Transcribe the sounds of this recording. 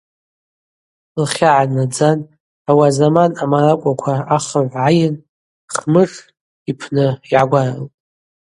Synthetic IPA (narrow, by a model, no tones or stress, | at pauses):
lχʲaʕanad͡zan | awazamanamaɾakʷʼakʷʰaaχəʕʷʕajɪn | χmɨʂ | ipʰnɨiʕaɡʷaraltʼ